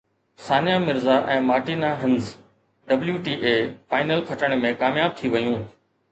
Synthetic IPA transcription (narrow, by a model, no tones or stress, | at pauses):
saːnjaːmɪɾzaʔɛ̃ːmaːʈiːnaːɦɪ̃nz | ɖɐbljuːʈiːʔeːfaːɪnəlkʰɐʈəɽ̃mẽːkaːmjaːb̚t̪ʰiʋɐjũː